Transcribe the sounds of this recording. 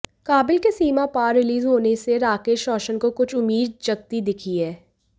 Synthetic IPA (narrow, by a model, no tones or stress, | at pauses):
kaːbɪlkesiːmapaːɾːɪliːzɦoːneseɾaːkeːʃɾɔːʃənkokʊt͡ʃʰʊmːiːd̪̚t͡ʃɐɡ̚t̪id̪ɪkʰiɦɛː